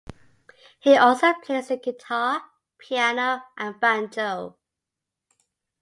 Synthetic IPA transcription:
hiʔɔˑlˠsoʊpʰl̥eɪzəɡɪtʰɑː | pʰianoʊʔə̃nvãnd͡ʒoʊ

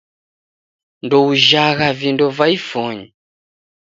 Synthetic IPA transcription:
ndɔuʒaɣavindɔvaifɔɲi

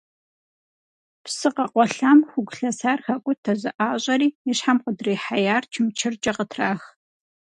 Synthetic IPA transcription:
psɨqɐqʷɔɬaːmxʷʊɡʷɬɐsaːrxɐkʷʼʊtʰɐzɨʔaːɕʼɐɾiːiɕħamqədreːħajaːrt͡ʃʰɪmt͡ʃʰɪrt͡ʃʼɐqətʰraːx

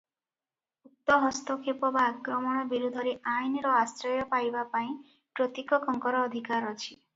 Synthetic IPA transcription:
ut̪ːɔɦɔst̪ɔkʰepɔbaːkɾɔmɔɽ̃ɔbiɾud̪ʱɔɾeʔajniɾɔasɾɔjɔpajbapaĩ | pɾot̪ikɔkɔŋkɔɾɔːd̪ʱikaɾɔt͡ʃʰi

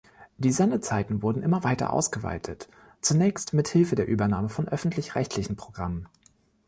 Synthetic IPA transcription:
d̥iːzɛndət͡saɪtn̩vʊɐdn̩ʔɪmɐvaɪtɐ̰ʔa̰ʊsɡ̥əva̰ɪtʰət | t͡sunɛːçstmɪthɪlfədeːɐʔyːbɐnaːməfɔnʔœfn̩tʰlɪçʁ̥ɛçtʰlɪçn̩pʁ̥oɡʁamən

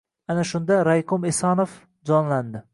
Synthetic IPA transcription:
anaʃʊnd̪aɾajqʰʊmesɑnof | d͡ʒɒnland̪ɪ

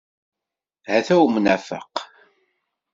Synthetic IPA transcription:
hæθæwmənæfə̰q

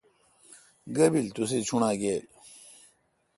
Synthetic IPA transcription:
ɡɐbilt̪uset͡ɕʰuɳaːɡeːl

